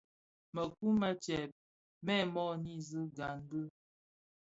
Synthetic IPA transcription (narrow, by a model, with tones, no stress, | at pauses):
mə˨ku˦ma˦t͡ʃɛ˨p̚ | mɛ˦˨mɔ˦ni˦zɨ˦ɡa˨ŋ˦ɡə˦